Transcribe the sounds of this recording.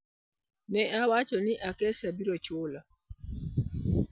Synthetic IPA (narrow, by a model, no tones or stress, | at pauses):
nɛawat͡ʃɔniʔakɛsabiɾɔt͡ʃoːla